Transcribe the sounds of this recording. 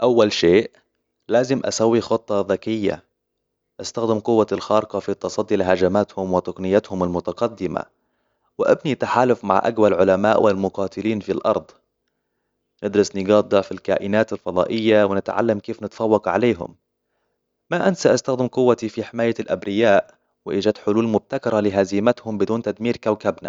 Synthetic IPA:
ʔawːalʃeːʔ | laːzɪmʔa̰sawːixʊt̪ˤːɑðakɪjːa̰ | ʔast̪axd̪ɪmqʊwːaɪlxɑːɾqɑfit̪ːɑsˤɑd̪ːilɪɦad͡ʒamaːt̪hʊmwɪt̪ʊqnɪjːat̪hʊmɪlmʊt̪aqɑd̪ːɪma̰ | wɪʔabnit̪ːaħaːlʊfma̰ʕʔa̰ɡwalʕʊlamaːʔwʔɪlmʊqɑːt̪ɪliːnfilʔɑ̰ɾˤd̪ˤ | nɪd̪ɾɑsnɪɡɑːd̪ˤɑʕfilka̰ːʔɪnaːt̪ɪlfɑd̪ˤɑ̰ːʔɪjːawɪnɪt̪ʕa̰lːamkeːfnɪt̪fɑwːɑqʕa̰leːɦʊ̰m | aʔansaʔast̪axd̪ɪmqʊwːat̪ifiħɪmaːjːalʔa̰bɾɪjaːʔ | wɪʔɪd͡ʒat̪ħʊluːlmʊb̚t̪akɑɾˤɑlɪɦazɪmat̪hʊmbɪd̪uːnt̪ad̪miːɾkawkabna̰

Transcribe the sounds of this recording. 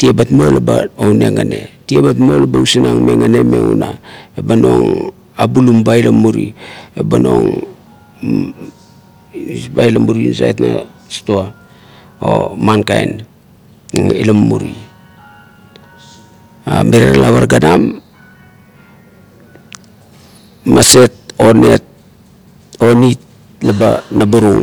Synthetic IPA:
tiebatmo̞lbaowne̞ŋane̞tiebatmo̞lebausinaŋme̞ŋane̞me̞ŋunaebano̞ŋ | abulumbailamuɾiebano̞ŋ | ibajlamuɾinsa̰etnastoa | omankajn | ŋilamːuɾi | ameɾeɾalaβaɾɡanam | ase̞t̚o̞ne̞t̚ | o̞nit̚ | labanabaɾuŋ

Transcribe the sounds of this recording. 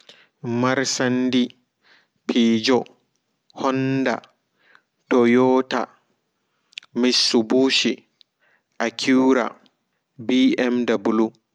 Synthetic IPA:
maɾsandi | pʰiːd͡ʒɔ | hɔnda̰ | tɔjɔːta̰ | misːubuːʃi | ʔakʰuɾa̰ | biɛmdabulu

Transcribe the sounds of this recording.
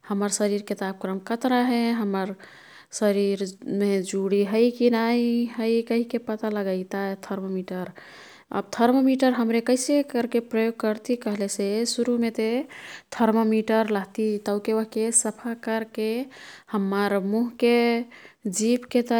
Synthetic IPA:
həməɾsəɾiɾkit̪ab̚kɾəmkət̪ɾaɦeɦəmːəɾ | səɾiɾmed͡ʒuɽiɦəjkinaiɦəjkəɦikepət̪aləɡəɪt̪at̪ʰəɾmomiʈəɾ | ə̰b̚t̪ʰəɾmomiʈəɾɦəmɾekəɪsekəɾkepɾəjoɡ̚kəɾt̪ikəɦlesesuɾumet̪et̪ʰəɾmomiʈəɾləɦt̪it̪əʊkeəɦkesəpʰakəɾkehəmːəɾmuɦke | d͡ʒipket̪

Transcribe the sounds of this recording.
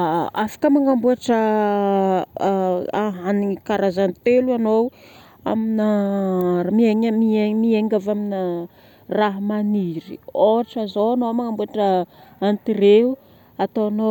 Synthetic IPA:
afḁkəmaŋambuaʈ͡ʂə | aɦanikaɾazant̪eluanow | a̰mina | mieŋmiemieŋɡavaminə | raɦmaniɾḭoʈ͡ʂazoanowmaŋambuaʈ͡ʂəant̪ireɦu | at̪oano

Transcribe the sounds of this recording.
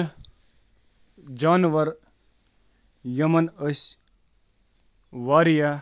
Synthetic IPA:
d͡ʒaːnʋɐɾ | jɐmɐnəs | ʋaːɾja

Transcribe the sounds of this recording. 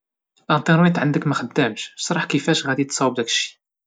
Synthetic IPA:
lænt̪ˤəɾwit̪ʕənd̪əkmæxəd̪ːæmʃsˤɾˤɑħkifæʃɣæd̪it̪sˤɑwːəb̚d̪ækə̥ʃːi̥

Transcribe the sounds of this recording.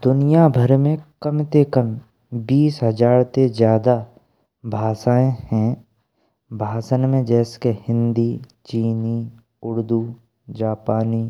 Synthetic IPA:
d̪ʊnijabʱəɾmẽkəmt̪ekəm | biːsɦəd͡ʒaːɾt̪ezjaːd̪a | bʱaːsaːẽhɛ̃ | bʱaːsənmẽd͡ʒɛːskehɪ̃nd̪it͡ʃiːni | ʊɾd̪uː | d͡ʒaːpaːniː

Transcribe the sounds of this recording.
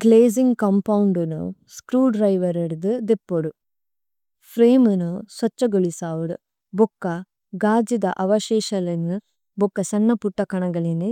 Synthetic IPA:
ɡleːziŋɡkɐmpɐwɳɖunṵskɾuːɖɾɐjʋɐɾeɾud̪ɨd̪epːoɽu | fɾeːmunusʋɐt͡ʃːɐɡoɭisaːʋuɽṵ | bokːɐ | ɡaːd͡ʒid̪ɐʔɐʋɐʃeːʃɐlɐnɨ | bokːɐsɐnːɐpuʈːɐkɐɳɐɡɐɭine

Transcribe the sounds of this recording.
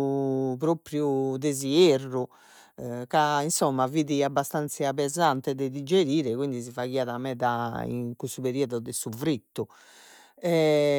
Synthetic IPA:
pɾopɾjud̪ezierːu | kainsɔmːaviːðiabːast̪ant̪sapɛzant̪ɛðɛd̪id͡ʒeɾiːɾɛkwind̪isivaɣiːaðamɛða̰ḭŋkust̪upeɾiɔðuðɛsuvɾit̪ːu | ɛ

